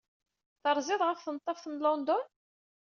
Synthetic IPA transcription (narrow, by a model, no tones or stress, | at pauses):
θəɾˤzɪðˤʁəfθənət̪ˤːɑfθənlɔnd̪ʊn